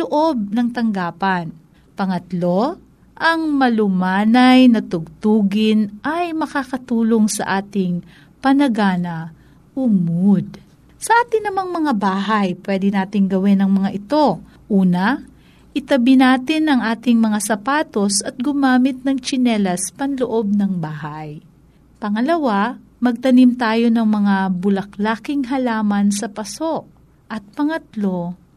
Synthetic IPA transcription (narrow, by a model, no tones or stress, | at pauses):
loʔo̞b̚nɐŋt̪ɐŋɡaːpɐn | pɐŋɐt̪lo̞ | ʔɐŋmɐlʊmaːnɐjnɐt̪ʊɡ̚t̪uːɡɪnʔɐjmɐkaːkɐt̪uːlo̞ŋsɐ̰ʔaːt̪ɪŋ | pɐnɐɡaːnɐ | ʔʊmʊd̪̚ | sɐʔaːt̪ɪnɐŋmɐŋmɐŋabaːɦɐjpwɛːd̪ɪnaːt̪ɪŋɡɐwɪnɐŋmɐŋaʔɪt̪o̞ | ʔuːnɐ | ʔɪt̪ɐbɪnaːt̪ɪnɐŋʔaːt̪ɪŋmɐŋasɐpaːt̪o̞sɐt̪̚ɡʊmaːmɪt̪̚nɐŋt͡ʃɪnɛlɐspɐŋloʔo̞b̚nɐŋbaːhɐj | pɐŋɐlɐwa | mɐɡ̚t̪ɐnimt̪aːjo̞nɐŋmɐŋabʊlɐklaːkɪŋɦɐlaːmɐnsɐpɐso̞ʔ̚ | ʔɐt̪̚pɐŋɐt̪lo̞